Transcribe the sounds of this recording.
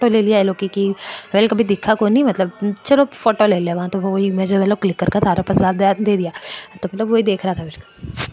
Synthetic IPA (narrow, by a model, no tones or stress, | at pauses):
oʈoleːlijaɛloːkikiɾeːlkɐbʱid̪ɪkʰːakoːnimɐt̪ləbt͡ʃɐlofoːʈoleːlijaʋɐɦãt̪ooimẽːd͡ʒmɐt̪ləb̚klɪkːəɾkat̪ʰaːɾapɐslaːt̪̚d̪eːd̪ijaːt̪omɐt̪ləbʋoːid̪eːkʰɾɐɦaːt̪ʰaɪʃka